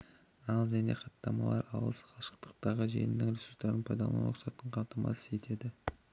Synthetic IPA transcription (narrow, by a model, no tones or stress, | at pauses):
ɑlˠʒæne̞̰qɑt̪ːɑmɑ̰lˠɑɾɑ̰wəlˠsə̥qʰɑʃə̥q̚t̪ə̥q̚t̪ɑʁəʒḛlɪnd̪ɪŋɾesuɾst̪ːɑɾənpʰɑjd̪ɑlˠɑ̰noqsɑt̪əɴqʰɑlˠt̪əmɑ̰sə̥se̞t̪ʰe̞d̪ɪ